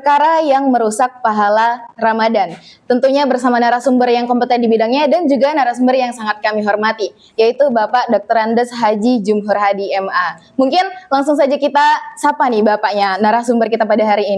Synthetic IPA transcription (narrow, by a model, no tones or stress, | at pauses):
pərkaɾajaŋməɾusak̚paɦalaramadant̪ənt̪uɲabərsamanaɾahsumbərjaŋkɔmpət̪ɛndibidaŋɲadand͡ʒuɡanaɾahsumbərjaŋsaŋat̪̚kamiɦɔrmat̪i | jait̪ubapaʔdɔk̚t̪əɾandəsɦad͡ʒid͡ʒumɦʊrɦadiɛma | muŋkɪnlaŋsʊŋsad͡ʒakit̪asapanibapaʔɲanaɾahsumbərkit̪apadaɦaɾiːni